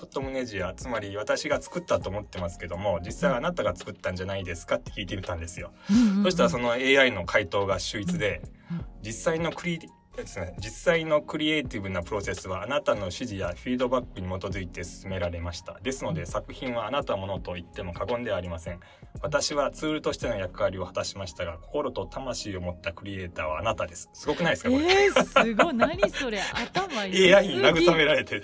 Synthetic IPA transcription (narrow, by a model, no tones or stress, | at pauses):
ot̪ːomɯ̟ne̞ʑiat͡sɨmaɾʲiβ̞at̪aɕiɡat͡sɨ̥kɯ̟t̪ːat̪o̞ːmo̞t̪ːe̞masɨ̥ke̞d̪o̞mo̞d͡ʑisːaianat̪aɡat͡sɨ̥kɯ̟t̪ːãɲ̟d͡ʑanaid̪e̞sɨ̥kat̪ːe̞kʲiːt̪eit̪ãnd̪e̞sɨjo̞ | so̞ɕi̥t̪aɾaso̞no̞e̞ːaino̞kʰait̪o̞ːɡaɕɨːit͡sɨd̪e̞ | d͡ʑisːaino̞kɯ̟ɾʲi | sd͡ʑisːaino̞kɯ̟ɾʲieːt̪ibɯ̟napɯ̟ɾo̞se̞sɨβaːnat̪ano̞ɕiʑijaɸʲiːd̪o̞bakːɯ̟ɲ̟imo̞t̪o̞zɨit̪e̞sɨ̥sɨme̞ɾaɾe̞maɕi̥t̪a̰d̪e̞sɨno̞d̪e̞sakɯ̟çĩɰ̃βaːnat̪amo̞no̞t̪o̞it̪ːe̞mo̞kaɡõ̞nd̪e̞aːɾʲimasẽ̞ɴ̃ | β̞at̪aɕiβat͡sɨːɾɯ̟t̪o̞ɕi̥t̪e̞no̞jakɯ̟aɾʲio̞hḁt̪aɕi̥maɕi̥t̪aɡakoko̞ɾo̞t̪o̞t̪amaɕiːo̞mo̞t̪ːakɯ̟ɾʲie̞ːt̪aːβaːnat̪ad̪e̞sɨ̥sɨɡo̞kɯ̟naid̪esɨkao | eainaɡɯ̟ame̞ɾaɾe̞t̪e